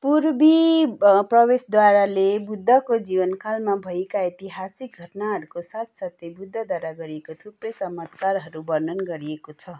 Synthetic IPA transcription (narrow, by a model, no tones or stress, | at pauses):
puɾbi | prʌbesd̪waɾalebud̪ʱːʌkod͡zibʌnkʰalmabʱʌekait̪iɦasik̚ɡʱʌʈnaɦʌɾukosat̪sat̪ːebud̪ʱːʌd̪waɾaɡʌɾiekot̪ʰuprʌjt͡sʌmʌt̪karɦʌɾubʌɾnʌnɡʌɾiekot͡sʰʌ